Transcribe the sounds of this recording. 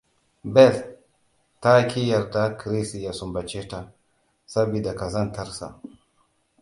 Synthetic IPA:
bɛ˦˨l | ta˦kʰi˦ja˨ɾda˦kɾi˦si˨ja˨su˨mba˨t͡ʃe˦ta˨ | sa˦bi˨da˨ka˨za˦nta˦ɾsa̰˨

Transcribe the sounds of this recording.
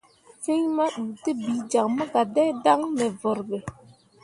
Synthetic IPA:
fi˦ɲma˦ɗu˨ti˦bi˨˦d͡ʒa˨kmə˦ɡa˨dɛ˦da˦ŋnɛ˨vɔ˨ɾɓe˨

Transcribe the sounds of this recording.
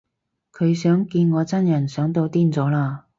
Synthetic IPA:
kʰɵ˨˧ɥsœː˨˥ŋkiː˧nŋɔː˨˧t͡sɐ˥njɐ˨˩nsœː˨˥ŋt̪o˧wt̪iː˥nt͡sɔː˨˥laː˧

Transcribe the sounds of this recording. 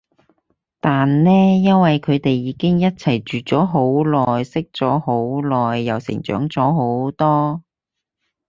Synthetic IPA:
t̪aː˨nlɛː˥jɐ˥nwɐ˨jkʰɵ˨˧ɥt̪e˨jːiː˨˧˥kɪ˥ŋjɐ˥t̚t͡sʰɐ˨˩jt͡ʃyː˨˩t͡sɔː˨˥ɦo˨˥wlɔː˨jsɪ˥k̚t͡sɔː˨˥ho˨˥wlɔː˨˩jːɐ˨˩wsɪ̰˨˩ŋt͡ʃœ̰ː˨˥ŋt͡sɔː˨˥ɦo˨˥wt̪ɔː˥

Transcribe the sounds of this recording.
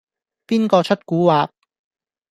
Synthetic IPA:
piː˥nkɔː˧t͡ʃʰɵ˥t̚kuː˨˥waː˨k̚

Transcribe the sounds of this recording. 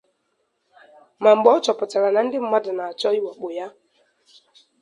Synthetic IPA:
ma˨ŋ͡m̩˨ɡ͡bɔ˨˦t͡ʃɔ˨pʊ˨ta˨ɾa˨na˨n̩˦dɪ˦m̩˦ma˦da˨na˨a˨t͡ʃɔ˦i˦wa˨k͡po˨ja˦

